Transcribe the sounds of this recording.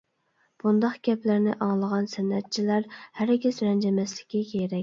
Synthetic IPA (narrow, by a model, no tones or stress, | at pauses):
b̥und̪ɑqɡʲɛplæɾnɪʔɑŋlˠəʁɑnsɛnːɛt̪̚t͡ʃʰilæɾhæɾɡʲisɾɛnd͡ʒɛmɛslɪ̥kʲːikʲʰeɾɛk̚ʲ